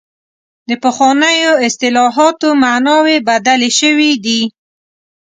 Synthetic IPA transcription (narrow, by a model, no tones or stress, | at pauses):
d̪əpəxwɑnəjoɪst̪ɪlɑɦɑt̪omanɑwebad̪aleʃəwid̪i